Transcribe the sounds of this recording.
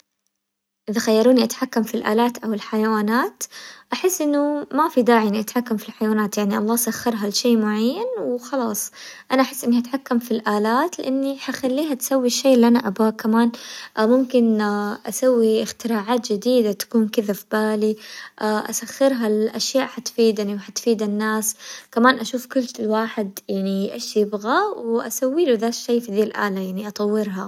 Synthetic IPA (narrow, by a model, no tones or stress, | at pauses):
ʔɪðaxajːɑɾˤuːniʔat̪ħakːamfilʔa̰ːlaːt̪ʔawɪlħajawaːnaːt̪ʔaħɪsːʔɪnːʊmafid̪aːʕiʔɪnːiʔat̪ħakːamfilħajawaːnaːt̪jaʕniʔɑlˤːɑːʔsaxːɑɾˤɦalʃeːmʊʕajːanwxɑlɑːsˤʔanaʔaħɪsːʔɪnːihat̪ħakːamfilʔaːlaːt̪lɪ̰ʔanːiħaxalːiːɦat̪sawːiʃːeːʔɪlːiʔanaʔabaːkamaːnmʊmkɪnʔasawːiɪxt̪ɪɾaːʕaːt̪d͡ʒɪd̪iːd̪at̪ḁkuːnkɪðafibaːliʔaːʔa̰saxːɪɾɦalʔaʃjaːʔħat̪fiːd̪aniwħat̪fiːd̪anːaːskamaːnʔaʃuːfkʊlːlwaːħɪd̪jaʕniʔeʃjɪbɣawʔa̰sawːiːluðaːʃːeːfiðiːlʔa̰ːlajaʕniʔɑt̪ˤɑwːɪɾɦa